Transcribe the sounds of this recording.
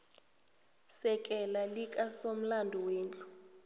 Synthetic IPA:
sɛk̬ʼɛlalikʼasom̩landʱɔweːnt͡ɬʼu̥

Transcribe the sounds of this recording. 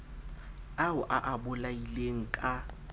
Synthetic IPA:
aʊʔaʔabʊlaileŋ̩kʼa

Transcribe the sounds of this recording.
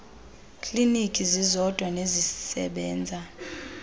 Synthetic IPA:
kʰʼlinikʼizizɔd̥ʱwanezisɛ̰ɓɛːnd͡zʱa

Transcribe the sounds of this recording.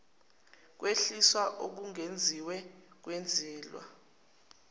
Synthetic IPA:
k̬weɬiswaʔok̬uŋend͡zʱiwɛk̬wend͡zʱɛːlwa̰

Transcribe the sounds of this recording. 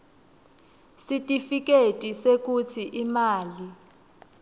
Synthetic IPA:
sitʼifik̬ʼetʼisek̬ut͡sʰiʔimaːli

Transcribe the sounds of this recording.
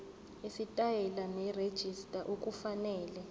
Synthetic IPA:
isitʼajɛlanɛred̥ʒ̥ʱistʼaʔokʼufanɛːlɛ

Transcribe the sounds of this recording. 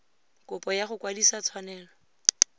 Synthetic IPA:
kʊpɔjaχʊkwadisat͡sʰwanɛːlɔ

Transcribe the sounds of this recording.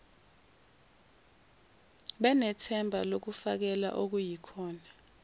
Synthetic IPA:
ɓɛnɛtʰɛmbʱalok̬ufak̬ɛla̰ʔok̬ujikʰɔːna

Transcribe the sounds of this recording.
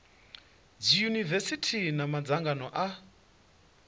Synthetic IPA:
d͡zijunivɛsitʰinamad͡zaŋɡanɔʔa

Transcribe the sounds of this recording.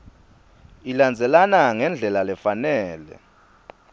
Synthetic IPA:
iland͡zʱɛlanaŋɛnd͡ɮʱɛlalɛfanɛːlɛ̰

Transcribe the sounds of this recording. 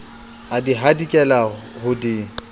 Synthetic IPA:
adiɦadikʼɛla | hʊdi

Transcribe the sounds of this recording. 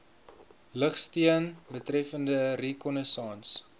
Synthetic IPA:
ləχstiənbətrɛfəndərekɔnəsɑːns

